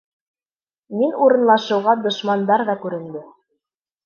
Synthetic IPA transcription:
minuɾɤ̆nlˠɑʃɤ̆wʁɑd̪ŏʃmɑnd̪ɑɾðɑkʉɾɘ̆nd̪ɘ

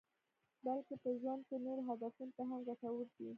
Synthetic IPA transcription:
balkepəʒwand̪̚kenoɾɦad̪afunot̪aɦamɡaʈawəɾd̪i

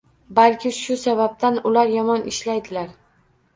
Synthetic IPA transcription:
balkʲɪʃʊsabap̚t̪ʰanʊlaɾjɒmɒnʔɪʃlajd̪ɪlaɾ

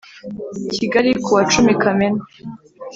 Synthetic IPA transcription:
cʰiɡaɾikʰuwat͡ʃumikʰamena

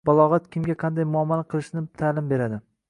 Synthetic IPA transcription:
balˠɒʁat̪kʲɪmɡʲaqʰɑnd̪ajmʊamːanaqʰɨlˠɪʃnɪt̪ʰaːlɪmbe̞ɾad̪ɪ

